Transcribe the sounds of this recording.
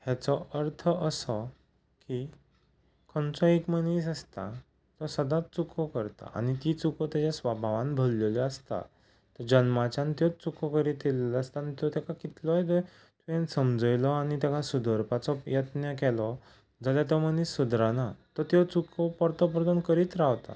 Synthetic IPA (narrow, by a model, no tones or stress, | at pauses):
hat͡sɔʔəɾt̪ʰəʔəsɔ | ki | kʰɔnt͡sɔekməniːs̬əst̪a | t̪ɔsəd̪att͡sukʰɔkəɾt̪a̰a̰nit̪it͡sukɔt̪jat͡ɕasʋabʱaʋãnbʱəlːeliəst̪a̰ | t̪əɾd͡ʑənmat͡ɕãnt̪jɔt͡sukʰɔkəɾit̪ileləst̪aanit̪jɔt̪jakakit̪lɔjd̪e | t̪uẽnsəmd͡zəjlɔañit̪akasud̪ʱəɾpat͡sɔjət̪nəkɛlɔ | d͡zaljat̪ɔmənisːud̪ɾanat̪ɔt̪jɔt͡sukʰɔpɔɾt̪ɔp̬ɾd̪ənkəɾiːt̪ɾaʋt̪a̰